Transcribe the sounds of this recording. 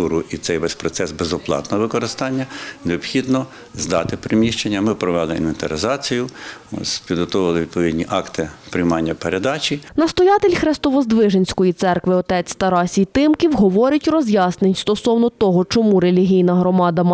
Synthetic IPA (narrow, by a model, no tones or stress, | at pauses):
uɾʊʔit̪sɛjʋɛsʲpɾɔt̪sɛsbezɔplˠɑ̰t̪nɔɔʋɪkɔɾɪst̪ɑnʲːɐneɔbxʲid̪nɔ | zd̪ɑ̰t̪ɪpɾɪmʲiʃt͡ʃenʲːɐmɪpɾɔʋɛlˠɪḭnʋent̪ɐɾɪzɑt͡sʲijʊmɪ̰spʲid̪ɦɔt̪ɔʋɐlˠɪʋʲid̪̚pɔʋʲidʲnʲiʔɑkt̪ɪpɾʲɪjmɑnʲːɐpeɾed̪ɑt͡ʃʲinɐst̪ɔjɑt̪elʲxɾɛst̪ɔʋɔzd̪ʋɪʒenʲsʲkɔjit̪sɛrkʋɪɔt̪ɛt͡sʲt̪ɐɾɑsʲijt̪ɪmkʲiwɦɔʋɔɾʲɐtʲrɔzʲjɑsnenʲst̪ɔsɔwnɔt̪ɔɦɔt͡ʃɔmuɾelʲiɦʲijnɐɦɾɔmɑd̪ɐm